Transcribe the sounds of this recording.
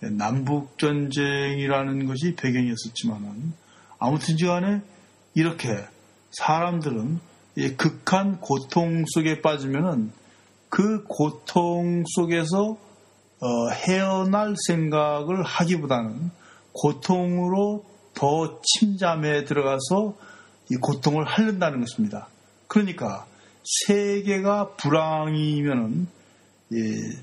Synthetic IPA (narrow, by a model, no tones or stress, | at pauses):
jenambuk̚t͡ɕ͈ʌnd͡ʑeŋiɾanɯnɡʌɕ̬ʰipe̞ɡjʌŋiʌs͈ʌt̚t͡ɕ͈imanɯn | amutʰɯnt͡ɕiɡane̞ | iɾʌkʰe̞ | sʰaɾamdɯɾɯn | kɯkʰankotʰoŋs͈ʰoɡe̞p͈ad͡ʑimjʌnɯn | kɯkotʰoŋs͈ʰoɡe̞s̬ʰʌː | he̞ʌnaɭsʰe̞ŋɡaɡɯɭhaɡibodanɯn | kotʰoŋɯɾo | tʌt͡ɕʰimd͡ʑame̞tɯɾʌɣasʰʌ | ikotʰoŋɯɭɦaʎːɯndanɯnɡʌɕʰimɲida | kɯɾʌɲik͈a | sʰeɡe̞ɡapuɾaŋimjʌnɯn | je